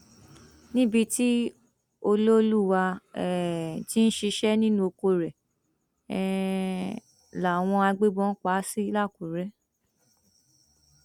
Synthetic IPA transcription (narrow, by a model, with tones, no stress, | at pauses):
nĩ˦bi˧ti˦ | o˧lo˦lu˦˨wa˧ɛ˨ti˦n̩˦ʃi˧ʃɛ˦nĩ˦nũ˦o˧ko˧ɾɛ˨ | ɛ˨ | la˨w̃ɔ̃˧a˧ɡ͡be˦ɡ͡bɔ̃˧˦n̩˦k͡pa˨˦si˦˧˦la˦˨ku˨ɾɛ˦